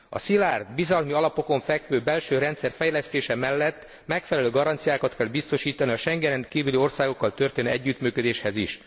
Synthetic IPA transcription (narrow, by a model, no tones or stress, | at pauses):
ɒ̰silaːrd̪bizɒlmiɒlɒpo̞ko̞ɱfɛkʋøːbɛlʃøːɾɛnt̪sɛrfɛjlɛst̪eːʃɛmɛlːɛt̪ː | mɛkfɛlɛløːɡɒɾɒnt̪sijaːkɒt̪kɛlbist̪o̞ʃiːt̪ɒniɒʃɛŋɡɛnɛŋkiːvylio̞rsaːɡo̞kːɒlt̪ø̞rt̪eːnːɛɟːyːt̪myːkød̪eːʃhɛziʃ